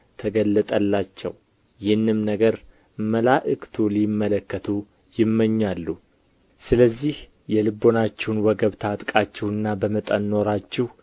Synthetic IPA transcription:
t̪ʰəɡəlːət̪ʼəlːat͡ʃːɛ̰w | jɪhɨnːɨmnəɡəɾ | məlaʔɨkʰt̪ʰulimːələkːət̪ʰu | jɪmːəɲːalːu | sɨləzːih | jɛlɨbːo̞nat͡ʃːɛwnwəɡəβt̪ʰat̪ʼkʼat͡ʃːɛwɨnːabəmət̪ʼənːo̞ɾat͡ʃːɪh

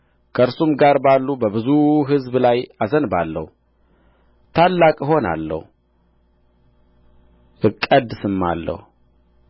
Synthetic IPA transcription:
kʰəɨɾsumɡaɾbalːubəbɨzuɦɨzblajazənbalːə̰hu | t̪ʰalːakʼɨɦo̞na̰lːə̰hu | ʔɨkʼːəd̪sɨmːa̰lːə̰hu

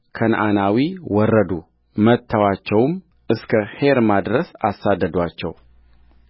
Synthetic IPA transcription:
kʰənʔanawiwɔrːəd̪u | mət̪ʰːəwat͡ʃːɛwm | ʔɨskʰəheɾmad̪ɾəsasːad̪ːəd̪wat͡ʃːɛw

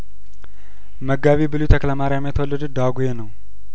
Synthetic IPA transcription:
məɡaβibɨlut̪ʰəkləmaɾjamjet̪ʰəwolːəd̪ud̪aɡujenəw

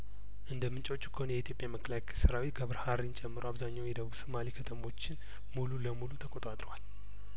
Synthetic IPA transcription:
ʔɨnd̪əmɨnt͡ʃʼot͡ʃːu̥kʰəhonjɛit̪ʰjopʼjaməkʰːəlakʰɛsɨɾawit̪̚ɡəβɾhaɾint͡ʃʼɛmːɨɾuaβzaɲːawjɛd̪əβuβsɨmalikʰət̪ʰəmo̞t͡ʃːɪn | mululəmulut̪ʰəkʼot̪ʼat̪ʼɾwal

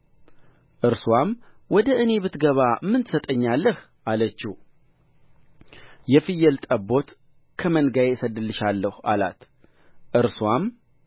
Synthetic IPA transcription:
ʔɨɾswam | wɔd̪əʔɨne̞bɨt̪ɡəβamːɨnt̪sət̪ʼəɲːalːəh | ʔalət͡ʃːi | jɛfɨjːɛlt̪ʼəbːo̞t̪ | kʰəmənɡajesəd̪ɨlːɨʃalːəha̰la̰t̪ | ʔɨɾswam

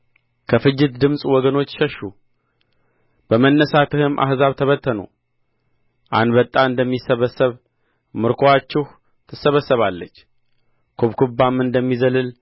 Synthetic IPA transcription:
kʰəfɨd͡ʒːɪt̪d̪ɨmsʼwɔɡəno̞t͡ʃːʃəʃːu | b̥əmənːəsat̪ɨhɨmʔa̰hzaβt̪ʰəβət̪ʰːəno̰ | ʔa̰nd̪bət̪ʼːaɨnd̪əmːisːəβəsːəβ | mɨɾkʰoat͡ʃːɪh | t̪ʰɨsːəβəsːəβalːət͡ʃː | kʰoβkʰubːamɨnd̪əmːizəlɨl

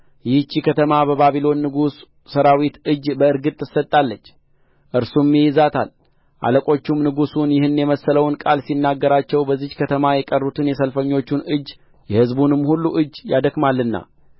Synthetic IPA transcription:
jɪht͡ʃːikʰət̪ʰəmabəbaβilo̞nːɨɡusː | əɾawit̪ɨd͡ʒbəɨɾɡɨt̪ʼːɨsət̪ʼːalːət͡ʃː | ʔɨɾsumːijɪzat̪ʰa̰l | ʔa̰ləkʼo̞t͡ʃːumnɨɡusunjɪhɨnːjɛməsːələwnkʼalsinːaɡːəɾat͡ʃːɛwbəzːikʰət̪ʰəmajɛkʼərːut̪ʰɨnjɛsəlfəɲːo̞t͡ʃːunɨd͡ʒː | jɛhɨzbunɨmhulːuʔɨd͡ʒjad̪əkmalːɨnːa̰

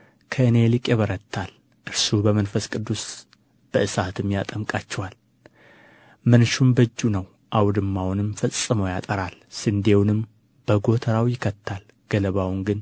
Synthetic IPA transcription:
kʰəɨne̞lɨkʼeβəɾət̪ʰːal | ʔɨɾsubəmənfəskʼɨd̪ːus | b̥əɨsat̪ʰɨmjat̪ʼəmkʼat͡ʃːɛwal | mɨnʃumbəd͡ʒːunəw | ʔawd̪ɨmːawnɨmfəsʼːɨməwjat̪ʼəɾalsɨnd̪e̞wnɨm | b̥əɡo̞t̪ʰəɾawjɪkʰət̪ʰːal | ɡ̥ələβawŋɡɨn

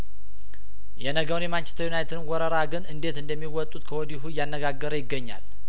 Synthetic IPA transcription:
jɛnəɡəwnjɛmant͡ʃɛ̥st̪ʰəjunajt̪ʰd̪ɨmwɔɾəɾaɡɨnɨnd̪e̞t̪ɨnd̪əmːiwɔt̪ʼːut̪kʰəwɔd̪iɦujanːəɡaɡːəɾəjɪɡːəɲːa̰l

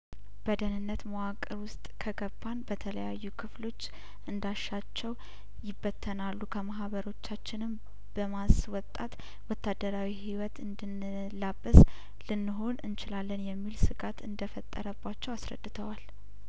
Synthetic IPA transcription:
b̥əd̪ənɨnːət̪məwakʼːəɾwʊst̪ʼkʰəɡəbːanbət̪ʰələjajːukʰɨflo̞t͡ʃː | ʔɨnd̪aʃːat͡ʃːɛw | jɪbːət̪ʰːənalːukʰəmaɦβəɾo̞t͡ʃːat͡ʃːɪnɨm | b̥əmaswɔt̪ʼːat̪ | wɔt̪ʰːad̪əɾawihiwɔt̪ɨnd̪ɨn | labːəs | lɨnːɨɦo̞nɨnt͡ʃɪlalːənjɛmːilsɨɡʼat̪ɨnd̪əfət̪ʼːə̰ɾəbːat͡ʃːɛwasɾə̰d̪ːɨt̪ʰəwal

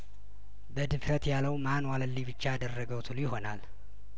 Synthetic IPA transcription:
bəd̪ɨfɾət̪jaləwmanwaləlːibɨt͡ʃːaːd̪ərːəɡəwt̪ʰulujɪho̞nal

